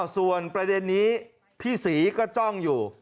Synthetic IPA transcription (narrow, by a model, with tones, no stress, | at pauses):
su˨˩ənpɾa˧de˧nːiː˦˥ | t̪ʰiː˥˩siː˩˦kɔː˥˩t͡ɕɔ˥˩ŋjuː˨˩